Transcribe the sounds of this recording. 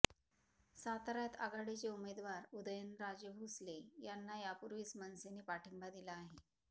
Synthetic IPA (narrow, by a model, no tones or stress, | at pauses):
sat̪ɾjat̪a̰ɡaɽet͡seumed̪ʋaɾud̪əjənɾad͡ʑəɦuslejanːajapuɾʋiːsmənsenepaʈʰəmbad̪ilaːɦe